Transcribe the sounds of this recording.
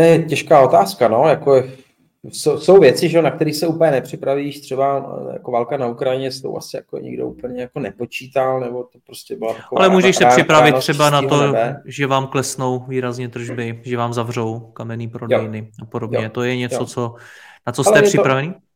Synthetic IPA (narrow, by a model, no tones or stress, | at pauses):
t̪jɛɛcɛʃkaːo̞t̪aːskano̞jakoɛ | sowso̞wvjɛt͡sɪʒɛonak̚t̪ɛɾiːxsɛuːpəɲɛnɛpr̥ɪpɾaviʃt̪r̥ɛbaja̰ko̞valkanaukɾajɪɲɛst̪o̰wʔa̰sɪja̰ko̰ɲɪ̰ɡdoʔṵpl̩ɲɛjako̞nɛpo̞t͡ʃiːt̪alnɛbot̪opɾoscɛbɪlat̪akoalɛmuːʒɛʃssɛar̥ɪpɾavɪt̪ːr̥ɛbanat̪oɛbɛʒɛvaːmklɛsno̞wviːɾazɲɛt̪r̩ʒbɪʒɛvaːmzavr̝owkamɛniːpɾodɛjɪnɪʔapodobjɲɛt̪ojɛɲɛot͡sonat͡soslɛrr̥ɪpɾavɛniː